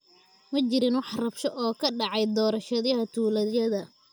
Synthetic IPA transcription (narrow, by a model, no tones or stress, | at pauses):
mɐt͡ʃɪɾɪnwɑħrɐbʃɔʔɔːkʰɐɖɑʕɑjd̪ɔːɾɐʃɐðɐɦɐt̪ʰuːlɐðjɐðɐ